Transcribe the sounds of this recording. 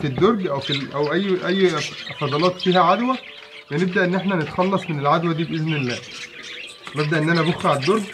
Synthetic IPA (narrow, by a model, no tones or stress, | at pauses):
fid̪ːoɾˤɡʔæwfilʔæwʔæjːʔæjːfɑd̪ˤɑlɑːt̪fiːhæʕad̪wæ | beneb̚d̪æʔenːʔeħnænet̪xɑlːɑsˤmenelʕad̪wæd̪iːbʔeznelːæː | neb̚d̪æʔenːʔænæboxɾaʕed̪ːoɾˤɡ